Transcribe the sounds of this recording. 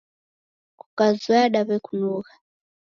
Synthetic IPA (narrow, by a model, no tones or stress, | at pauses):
ku̥kazwɛaɗaβɛkunuːɣa